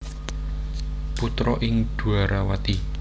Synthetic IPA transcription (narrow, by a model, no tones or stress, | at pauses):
put̪ɾɔʔɪŋd̪̥ṳaɾawat̪i